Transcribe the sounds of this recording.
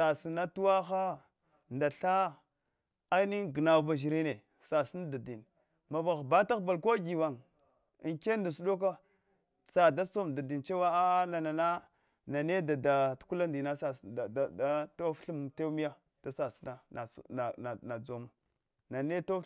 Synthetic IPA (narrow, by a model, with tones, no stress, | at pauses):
sa˨si˨na˦tu˦wa˦xa˦ | nda˨ɬa˦ | a˦ni˦ŋɡə˨na˨ba˨ʒi˨ɾi˦ne˨ | sa˨si˦n˦da˨di˨n | ma˨ba˨ɣba˦ta˦ɣba˨lko˦ɡi˨wa˨ŋ | i˨ŋke˦nda˨su˦ɗo˦k̬a˦ | sa˨da˦so˦mda˨di˨nt͡ʃe˦wa˦a˦na˨na˨na˦ | na˨ne˦da˨da˨tku˦la˦ndi˨na˦sa˨sa˦to˦fɬu˦mte˦mi˦ja˦ | d̥a˨sa˨sna˦na˨na˨na˨d͡zo˦ma˨ | na˨ne˦to˦